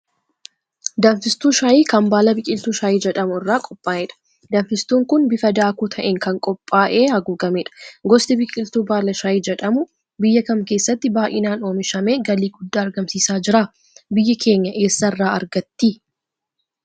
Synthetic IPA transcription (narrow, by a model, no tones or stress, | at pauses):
d̪ɐɱfɪst̪uːʃajiːkɐmbaːlɐbɪkʼɪlt̪uːʃaːjiːd͡ʒɛᶑɐmʊɪrːaːkʼɔpʼːaːʔɛᶑɐ̥ | d̪ɐɱfɪst̪uːŋkʊnbɪfɐd̪aːkuːt̪ʰɐʔeŋkɐŋkʼɔpʼːaːʔeːhɐɡuːɡɐmeːᶑɐ̥ɡɔst̪ɪbɪkʼɪlt̪uːbaːlɐʃaːjiːd͡ʒɛᶑɐmʊ | bɪjːɐkɐmke̞ːsːɐt̪ːɪbaːʔɪnaːno̞ːmɪʃɐme̞ːɡɐliːɡʊd̪ːaːɐɾɡɐmsiːsaːd͡ʒɪɾaː | bɪjːɐkʰe̞ːɲːɐʔe̞ːsːɐɪrːaːɐ̰ɾɡɐt̪ːiː